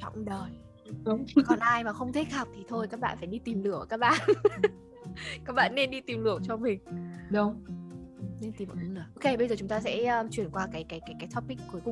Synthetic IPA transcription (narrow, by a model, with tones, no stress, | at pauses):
t͡ɕɔ̰˧˨wŋ͡mɗəː˨˩j | ɗə˨˧ŋ͡mkɔ˨˦nʔaː˧jmaː˨˩xə˧wŋ͡mt̪ʰe˦˥t̚ha˨˩p̚t̪ʰi˨˩t̪ʰo˧jkaː˦˥k̚ɓa̰ː˧˨nfaː˧˩jɗi˧t̪i˨˩mlɨ˧˩əkaː˦˥k̚ɓa̰ː˧˨n | ka˦˥k̚ɓa̰ː˧˨nːe˧nɗi˧t̪i˨˩mlɨ˧˩əwt͡ɕɔ˧mï˨˩ŋ̟ɗə˧wŋ͡m | ne˧nt̪i˨˩mv̰lɨː˨˩ʔo˧ke˧ɓə˧jzəː˨˩t͡ɕʊ˨˦ŋ͡mt̪aː˧sɛ̰˧˥əː˧t͡ɕwi˧˩ənkwaː˧kaː˨˦jkaː˨˦jkaː˨˦jkaː˨˦jt̪ʰɔ˦˥p̚pi˦˥kːu˨˦jkʊ̰˧˨